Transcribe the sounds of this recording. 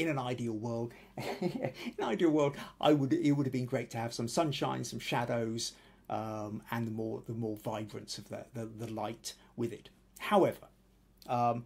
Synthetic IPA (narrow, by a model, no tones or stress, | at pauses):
ɨ̃nɨ̃naɪdil̩ˠwɜ˞lˠd | ɨ̃nɨ̃naɪdil̩ˠwɜ˞lˠdʔa̰ɪwəɾɪt̚wʊɾɨvbɨ̃nɡɹeɪtʰɨːv̥sʌ̃msʌ̃nʃãɪ̃nsʌ̃mʃæɾoʊz̥ | ʔʌ̃mɨ̃nðəmɔɹðəmɔɹvaɪbɹɨ̃nsʌvðɨ̰ðɨðəlaɪt | wɪðɪt̚ | haʊɛvə̰˞ | ʌ